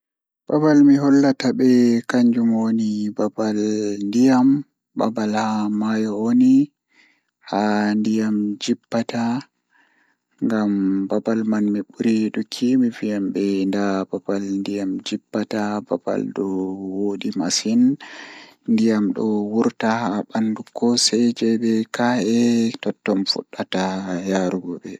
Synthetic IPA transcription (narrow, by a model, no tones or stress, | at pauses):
b̥abalmiɦɔlːatabɛkaɲd͡ʒumwonibabalndijam | ba̰balhamajɔwoni | handijamd͡ʒibːata | ŋɡambabalmanmiɓuɾiɗukʰːimivijambɛndababalndijamd͡ʒibːataba̰ba̰lɗɔwoɗimasin | ndijamɗɔwuɾtahabandukʰːɔsɛjd͡ʒɛjɓɛkaɛtɔtːɔmfṵɗːatajaɾuɡɔbɛ